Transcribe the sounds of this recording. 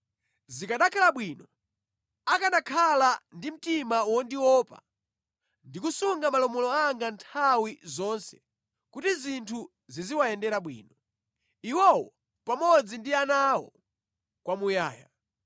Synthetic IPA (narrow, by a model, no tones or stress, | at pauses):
zikaɗakʰalaɓwinɔ | akanakʰalandim̩timawɔndiwɔpa̰ | ndikusuŋɡamalɔmɔlɔaŋɡantʰawizɔnsɛ̰ | kutizintʰu | ziziwaɛndɛɾaɓwḭːnɔ | iwɔwɔ | pamɔd͡zindianawɔ̰ | kwamujaːja̰